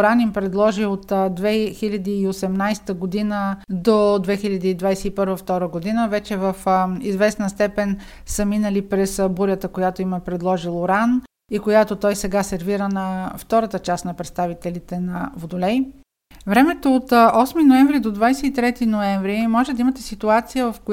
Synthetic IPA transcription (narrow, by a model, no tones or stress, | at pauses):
ɾanimpɾɛd̪lˠɔʒiot̪d̪vɛxilʲɐd̪iːosɛmnajst̪əɡod̪inəd̪od̪vɛxilʲɐd̪iid̪vajsɛipɤɾvəft̪ɔɾəɡod̪inəvɛt͡ʃɛvəfizvɛsnəst̪ɛpɛn | səminəlipɾɛsbuɾʲjət̪əkojat̪oiməpɾɛd̪lˠɔʒilˠoɾan | ikojat̪ot̪ɔjsɛɡasɛɾviɾənɐft̪ɔɾət̪ət͡ʃasnɐpɾɛt̪st̪avit̪ɛlit̪ɛnɐvod̪olɛj | vɾɛmɛt̪oːt̪ɔsminoɛ̃ɱvɾid̪od̪vajsɛit̪ɾɛt̪inoɛɱvɾimɔʒɛd̪ɐimət̪ɛsit̪uat̪sijəvəfko